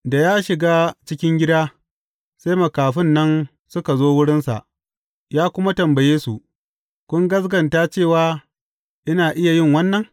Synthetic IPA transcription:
da˨jaː˦ʃɪ˨ɡaː˦t͡ʃɪ˦kʲɪ˦ŋɡʲɪ˦daː˦ | sa˦jmɐ˨kaː˨ɸɪ˦nːɐ˦n | sʊ˦ka˨zoː˦wʊ˦ɽɪ˦nsa̰˨ʔ | jaː˦kʷʊ˦ma˦tɐ˨mbɐ˨jeː˦su˨ʔ | kʷʊ˦ŋɡɐ˦s̬ɡɐ˨nta˦t͡ʃeː˦˨waː˦ | ʔɪ˦naː˨ʔɪ˦ja˨jɪ˦˨ŋwɐ˦nːɐ˨ŋ

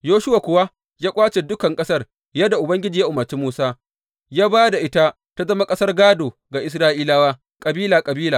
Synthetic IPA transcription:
joː˦ʃʊ˦wa˨kʷʊ˨wa˦ | jaː˦kʷʼaː˦t͡ʃe˨dʊ˦kɐ˨ŋkʼɐ˦sɐ˦˨r | jɐ˦da˨ʔʊ˨bɐ˦ŋɡʲɪ˦d͡ʒiː˨ja˦ʔʊ˨mɐ˨t͡ʃi˦muː˦saː˦ | jaː˦baː˦da˨ʔɪ˦ta˦ | ta˦zɐ˦ma˦kʼɐ˦sɐ˦rɡaː˦doː˨ | ɡa˨ʔɪ˨s̬ɾaː˦ʔiː˦laː˦waː˦ | kʼɐ˨biː˦laː˨kʼɐ˨biː˦laː˨

